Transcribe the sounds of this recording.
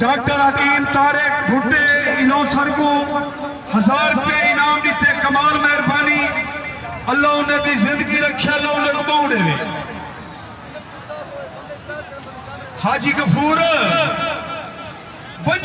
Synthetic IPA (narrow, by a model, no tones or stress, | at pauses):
ɖaːk̚ʈəɾɦɐkiːmt̪aːɾeːbʱʊʈeːɪloːsəɾɡõː | hɐzaːɾpeːnaːmɗɪt̪ʰeːkɐmaːlmɐɦɪɾbaːniː | əlːaːʊnẽːd̪iːzɪ̃nd̪əɡiːɾɐkʰɪjaːloːʊlɐkɓoũɗeʋeː | haːd͡ʒiːkɐfuːɾ | ʋə